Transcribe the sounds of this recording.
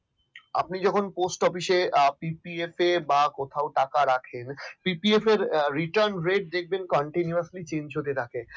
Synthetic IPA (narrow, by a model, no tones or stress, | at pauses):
a̰p̚nid͡ʑɔkʰonposʈɔfiʃepipiefebakɔt̪ʰaoʈakaɾakʰenpipiefeɾɾiʈaɾnɾeʈ̚d̪ek̚ʰbenkɔɳʈinuaɾslit͡ɕend͡ʑɦot̪et̪ʰake